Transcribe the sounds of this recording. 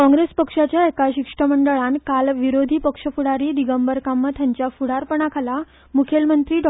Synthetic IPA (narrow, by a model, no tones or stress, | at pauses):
kɔ̃ŋɡɾespəkʂat͡ɕjaekaɕikʂʈəməɳɖəɭankalʋiɾod̪ʱiːpəkʂəfuɽaɾiːd̪iɡəmbəɾkamːət̪ʰjaɲt͡ɕjafuɽaɾpəɳ̃akʰala | mukʰelmənt̪ɾiːɖ